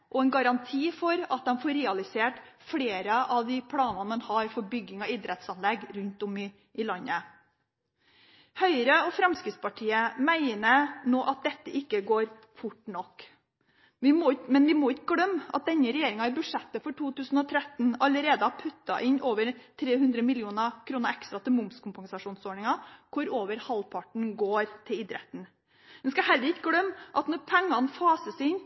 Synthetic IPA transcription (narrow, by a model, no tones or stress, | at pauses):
ʔɔɛnɡɑɾɑnt̪ʰiːfɔɾɑt̪̚d̪ɛmfɔɾɛːɑlɪseːʈfɽeːɾəʔɑʋd̪ɪpʰlɑːnɑnmɛnhɑɾfɔɾbʏɡɪŋɑɪd̪ɾɛt̪sɑnlɛɡɾʉnt̪ɔmɪ | ʔɪlɑnːə | hœʏɾəɔfɾɑmskɾɪt̪spʰɑʈʰiːəmæɪnənoːʔɑt̪̚d̪ɛt̪ːəʔɪkːəɡoːɾ | fʊʈːnɔkː | ʋɪmɔmɛnʋɪmɔɪkːəɡɽœmːʔɑ̰t̪̚d̪ɛɲːəɾɛjeːɾɪŋɑɪbʉ̥ʂɛt̪ːəfɔʈʰuːt̪ʉːsn̩ɔt̪ʰɾɛt̪nɑləɾeːd̪əhɑpʰʉt̪ːɑ̰ʔɪnʔoːʋəɾt̪ʰɾeːhʉnd̪ɾəmɪljuːnɑkʰɾuːnəɑɛkst̪ɾɑt̪ʰɪmʊmskʰʊmpɑŋsɑʂuːnsoːɳɪŋɑkʰʊɾoːʋəɾhɑlpʰɑʈɳ̩ɡoːɾt̪ʰɪlɪd̪ɾɛ̰t̪n̩ | d̪ɛnskɑɦɛlːəɾɪkːəɡlœmːʔɑt̪nɔɾpʰɛŋːɑnfɑːsəsɪn